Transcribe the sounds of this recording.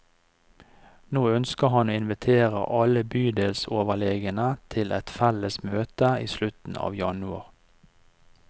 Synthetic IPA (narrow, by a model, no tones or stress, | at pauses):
noːœnskəhɑnoːɪnʋɪt̪ʰeːʁə̰ʔɑləbyːd̪eːlsoːʋəleːɡənət̪ʰɪlʔɛt̪fɛləsmøːt̪əiːslʉt̪n̩ɑ̰ːʋjɑnʉɑʁ